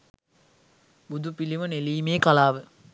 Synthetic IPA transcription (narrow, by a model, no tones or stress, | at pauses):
bud̪upiliʋɐneliːmeːkɐlaːʋɨ